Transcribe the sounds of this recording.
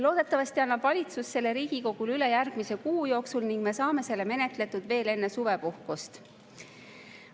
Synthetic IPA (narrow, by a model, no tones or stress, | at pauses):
lo̞ːd̪̥e̞t̪ːˑɑvɑst̪iɑnːɑvɑlʲit̪susːe̞lːe̞ɾiːɡ̥iko̞ɡ̥ulyle̞jærɡ̥mise̞kuːjo̞ːksulniŋɡ̥̚me̞sɑːme̞se̞lːeme̞ne̞t̪le̞t̪ːˑud̪̥ve̞ːle̞nːe̞suve̞puhkust̪